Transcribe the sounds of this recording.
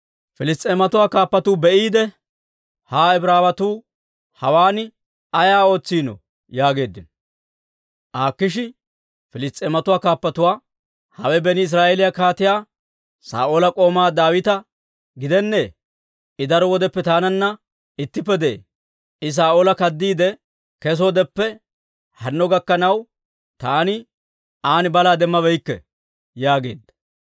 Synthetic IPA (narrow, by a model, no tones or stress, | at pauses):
fɪlɪst̪ʼeːmɐt̪ʊwaːkaːpːɐt̪uːbɛʔiːd̪ɛ | haːɛbɾaːbɐt̪uː | hɐwaːnɪ | ɐjaːo̞ːt͡sːiːnɔ̰ | jaːɡe̞ːd̪ːɪn | ʔaːkːɪʃ̬ɪ | fɪlɪst̪ʼːeːmɐt̪ʊwaːkaːpːɐt̪ʊwaː | hɐwɛbɛnɪːs̬ɾaːʔeːlɪjakaːt̪ɪjaː | sa̰ːʔoːlɐkʼo̞ːmaːd̪aːwɪt̪ɐ | ɡɪd̪ɛnːeː | ɪd̪ɐɾɔwɔd̪ɛpːɛt̪aːnɐnːɐ | ɪt̪ːɪpːɛd̪ḛː | ɪs̬aːʔoːlɐkɐd̪ːiːd̪ɛ | kɛs̬od̪ɛpːɛ | hɐnːɔɡɐkːɐnɐw | t̪aːnɪ | aːnɪbɐlaːd̪ɛmːɐbɛjkːɛ̰ | jaːɡe̞ːd̪ɐ